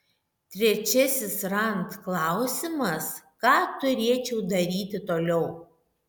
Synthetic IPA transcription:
t̪ʲɾʲɛt͡ʃʲɛsʲɪsɾɐnt̪klˠɑˑʊsʲɪmɐskɑːt̪ʊɾʲeːt͡ʃʲɛʊd̪ɐɾʲiːt̪ʲɪt̪oːlʲɛʊ

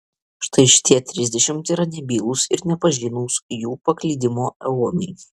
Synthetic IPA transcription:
ʃt̪ʰɐɪʃʲɪ̥t̪ʲiɛt̪ʲɾʲɪzʲd̪ʲɛʃʲɪmt̪iːɾɐnʲɛbʲiːlˠʊsɪɾnʲɛpɐʒʲiːnuːsjuːpɐklʲiːd̪ʲɪmoːɛoːmʲɛɪ

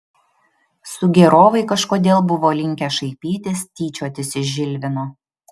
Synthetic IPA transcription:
sʊɡʲɛɾoːʋɐɪkɐʃkoːd̪ʲeːlˠbʊʋoːlʲɪŋʲkʲɛʃɐɪpʲiːt̪ʲeːst̪ʲiːt͡ʃʲoːɐt̪ʲɪsɪʒʒʲɪlʲʋʲɪnoː

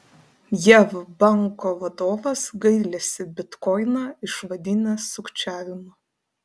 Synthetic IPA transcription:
jæʋbɑˑŋˑkoʋɐd̪oːʋɐsɡɐɪlʲɛːsʲɪbʲɪt̪kɔɪnɑːɪʃʋɐd̪ʲɪnʲɛsʊkt͡ʃʲæːʋʲɪmʊ

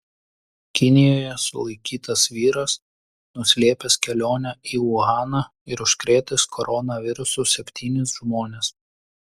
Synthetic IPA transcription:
kʲɪnʲɪjoːjɛsʊ̰lˠɐɪkʲiːt̪ɐsʋʲiːɾɐs | nʊsʲlʲeːpʲeskʲɛlʲoːnʲɛiːʊɣɑːnɑ | ɪɾʊʃʲkɾʲeːt̪ʲɪskʰɔɾɔnɐʋʲɪɾʊsusʲɛpʲt̪ʲʰiːnʲɪs̬ʒmoːnʲes

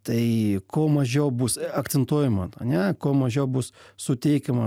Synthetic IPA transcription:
t̪ɐɪkoːmɐʒʲɛʊbʊsɐkt̪t͡sʲsʲɛnt̪uɔjɛmɐɐ̰nʲɛkoːmɐʒʲɛʊbʊssʊt̪ʲɛɪkʲɛmɐ

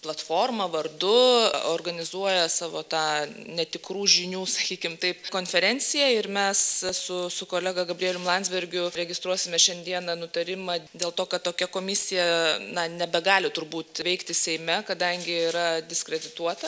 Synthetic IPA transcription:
plˠɐt̪foːrmɐʋɐrd̪ʊoːrɡɐnʲɪzuɔjɛsɑːʋoːt̪ɑːnʲɛt̪ʲɪkɾuːʒʲɪnʲuːsɐkʲiːkʲɪmt̪ɐɪpkoːnʲfʲɛɾʲɛnʲt͡ssʲɪjɛɪɾmʲɛssʊsʊkoːlʲɛɡɐɡɐbʲɾʲieɛlʲʊmlˠɐnʲzʲbʲɛɾʲɡʲʊɾʲɛɡʲɪst̪ɾuɔsʲɪmʲɛʃʲɛnʲd̪ʲiɛnɐnʊt̪ɐɾʲɪmɐd̪ʲeːlˠt̪oːkɐt̪toːkʲɛkoːmʲɪsʲɪjɛnɐnʲɛbʲɛɡɑːlʲɪt̪ʊɾbuːt̪ʋʲɛɪkt̪ʲɪsʲɛɪmʲɛkɐd̪ɐŋʲɡʲɪiːɾɐd̪ʲɪskɾʲɛd̪ʲɪt̪uɔt̪ɐ

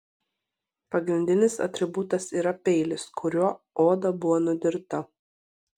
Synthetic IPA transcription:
pɐɡɾʲɪnʲd̪ʲɪnʲɪsɐ̰t̪ʲɾʲɪbʊt̪ɐsiːɾɐpʲɛɪlʲɪskʰʊɾʲuɔ | oːd̪ɐbʊʋonʊd̪ʲɪɾt̪ɐ

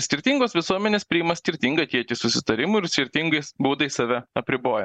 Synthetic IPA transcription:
sʲkʲɪɾʲt̪ʲiŋɡoːsʋʲɪsuɔmʲɛnʲeːspʲɾʲɪɪmɐsʲkʲɪɾʲt̪ʲiŋɡɐt̪ʲiɛkʲɪsʊsʲɪt̪ɐɾʲɪmʊɪɾsʲkʲɪɾʲt̪ʲɪŋɡɐɪsbuːd̪ɐɪsɐʋʲɛɐpʲɾʲɪboːjɛ

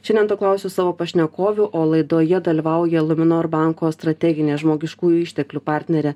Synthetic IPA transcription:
ʃʲɛndʲɛnt̪oːklˠɑˑʊsʲuːsɑːʋoːpɐʃʲnʲɛkoːʋʲʊʔoːlˠɐɪd̪oːjɛd̪ɐlʲiʋɐˑʊjɛlˠʊmʲɪnoːɾbɑŋkoːst̪ɾɐt̪ʲɛɡʲɪnʲeːʒmoːɡʲɪʃkuːjʊɪʃʲt̪ʲɛklʲupɑɾʲt̪ʲnʲɛɾʲɛː

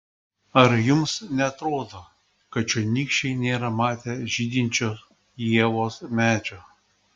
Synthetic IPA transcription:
ɐɾjʊmsnʲɛɐt̪ɾoːd̪oː | kɐt̪t͡ʃʲonʲikʃʲɛɪnʲeːɾɐmɑːt̪ʲeʒʲiːd̪ʲinʲt͡ʃʲoːs | jiɛʋoːsmʲæːd͡ʒʲo

